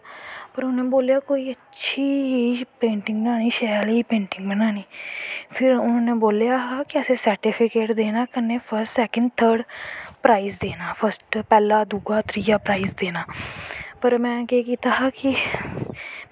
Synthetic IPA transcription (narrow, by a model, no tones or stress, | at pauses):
pəɾʊnẽːboːljaːkoːiːətːʃʰiːɦpẽːɳʈɪ̃ŋɡbənaːniːʃɛːliːpẽːɳʈɪŋɡbənaːniːpʰɪɾʊnːneːboːljaːɦaːkɪəseːsəɾʈɪpʰɪkeːʈd̪eːnaːkənːeːpʰəɾsʈsɛːkəɳɖt̪ʰəːɾɖpɾaːizd̪eːnaːpʰəɾsʈpɛːlaːd̪uɡaːt̪ʰɾiːaːpɾaːisd̪eːnaːpəɾmɛ̃ːkeːkiːt̪aːɦaːkɪ